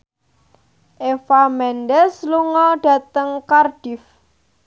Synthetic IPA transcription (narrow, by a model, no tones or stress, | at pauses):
ʔefamɛnɖɛsluŋɔɖ̥a̤t̪əŋkarɖ̥if